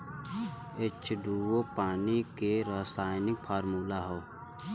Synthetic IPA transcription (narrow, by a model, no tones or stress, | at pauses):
ɪt͡ʃʰd̪uːwopaːnikeɾasaːjɪnɪk̚pʰaːɾmuːlaɦoː